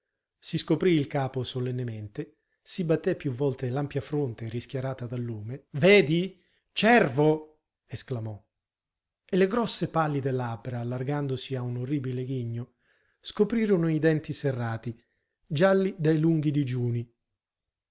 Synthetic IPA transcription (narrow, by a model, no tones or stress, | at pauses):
siskopɾiilkaːposolɛnːemeɛnt̪e | sibat̪ːɛpːjuvːɔlt̪elampjafɾont̪eriskjaɾaːt̪ad̪alːuːmevɛːd̪i | t͡ʃɛrvo | esklamɔ | elːeɡɾɔsːepalːid̪elːabɾaːlːarɡand̪osiaunorːiːbileɡiɲːo | skopɾiːɾonʊid̪ɛnt̪iserːaːt̪i | d͡ʒalːid̪ɛjluŋɡid̪id͡ʒuːni